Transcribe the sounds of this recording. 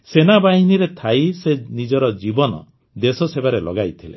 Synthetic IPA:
senabaɦiniɾet̪ʰajsenid͡ʒɔɾɔd͡ʒibɔnɔ̰ | d̪esɔsebaɾelɔ̰ɡajt̪ʰilḛ

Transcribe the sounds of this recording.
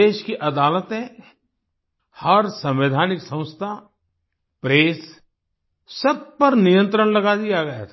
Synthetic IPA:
eːʃkiʔɐd̪aːlət̪ẽ | hɐɾsɐ̃mʋɪd̪ʱaːnɪksɐ̃w̃st̪ʰa | pɾeːs | sɐb̚pɐɾnijə̃nt̪ɾəɳ̃lɐɡad̪ijaɡɐja̰t̪ʰː

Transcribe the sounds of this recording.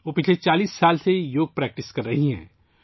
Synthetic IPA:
ʋoːpɪt͡ʃʰlet͡ʃaːliːsːaːlsejoːɡ̚pɾɛːk̚ʈɪskɐɾːɐɦiɦɛ̰̃ː

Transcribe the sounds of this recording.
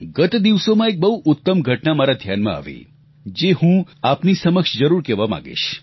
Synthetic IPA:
ɡət̪d̪iʋsomãek̚bəɦuʔʊt̪ːəmɡʱəʈnamaɾad̪ʱjanmã̰a̰ʋḭ | d͡ʒehũapnisəməkʃd͡ʒəɾuɾkɛʋamã̰ɡḭʃ

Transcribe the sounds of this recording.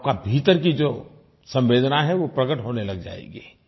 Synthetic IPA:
p̚kabʱiːt̪əɾkid͡ʒoː | sɐ̃mʋeːd̪ʱnaɦɛʋopɾɐɡəʈɦoːnelɐɡd͡ʒa̰ːḛːɡeː

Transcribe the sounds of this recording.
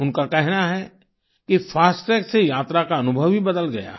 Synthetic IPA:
ʊnkakɛɦnaɦɛ | kifʰaːsʈɛːksejaːt̪ɾakaɐnʊbʱəʋibɐd̪əlɡɐja̰ː

